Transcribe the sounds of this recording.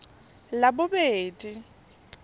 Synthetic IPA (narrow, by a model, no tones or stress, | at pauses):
labʊbeːdi